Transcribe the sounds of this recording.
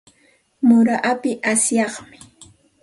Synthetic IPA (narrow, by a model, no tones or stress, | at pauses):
mʊɾaʔapɪʔasjɑχmɪ̥